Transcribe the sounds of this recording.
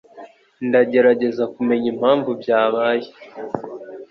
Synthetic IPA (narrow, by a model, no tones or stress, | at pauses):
ndaɟe̞ɾaɟe̞zakume̞ɲim̥haːɱvubjaːβaːje